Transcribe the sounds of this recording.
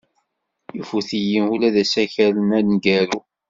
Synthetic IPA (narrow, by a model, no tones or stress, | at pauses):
jufuθijimulæðæsæçælənælnɡæɾu